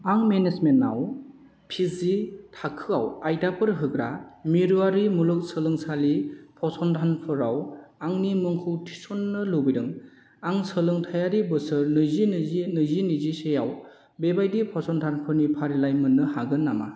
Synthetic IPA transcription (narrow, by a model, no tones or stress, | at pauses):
aŋmenesmena̰w | pʰizitʰakʰɯawajdapʰɯɾɦɯɡɾamiɾuaɾimulɯk̚sɯlɯŋsalipʰɔsɔndʰʱanpʰɯɾawaŋnimɯŋkʰɯwtʰi̥sɔnːɯlobiɾɯŋ | aŋsɯlɯŋtʰajaɾibɯsɯɾnɯzininɯzinizisejaw | bebajdipʰɔsɔndʰanpʰɯɾnipʰaɾilajmɯnːɯɦaɡɯnːama̰